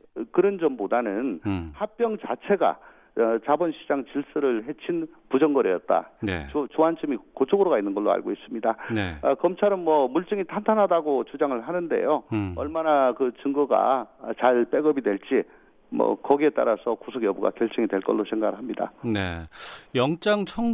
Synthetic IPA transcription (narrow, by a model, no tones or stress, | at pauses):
kɯɾʌnd͡ʑʌmbodanɯnhap̚p͈jʌŋt͡ɕat͡ɕʰe̞ɡa̰ | t͡ɕabʌnɕʰid͡ʑaŋt͡ɕiɭs͈ɯɾɯɭɦe̞t͡ɕʰin | pud͡ʑʌŋɡʌɾijʌt̚t͈a̰nḛt͡ɕt͡ɕuɦant͡ɕʰɯmikot͡ɕʰoɡɯɾoɡainːɯnɡʌɭːoa̰ɭɡois͈ɯmɲidanekʌmt͡ɕʰaɾʌmmːwʌmuɭt͡ɕ͈ɯŋitʰantʰanɦadaɡot͡ɕud͡ʑaŋɯɭɦanɯnde̞̰joʌɭmanakɯt͡ɕɯŋɡuɡa̰t͡ɕaɭp͈e̞ɡʌbidwe̞ɭt͡ɕ͈i | mʌ̰kʌɡie̞t͈a̰ɾasʰʌkusʰʌɡjʌbuɡa̰kjʌɭt͡ɕ͈ʌŋidwe̞ɭk͈ʌ̰ɭːosʰeŋɡaɡɯɭɦamɲida̰nejʌŋt͡ɕ͈aŋt͡ɕʰʌŋ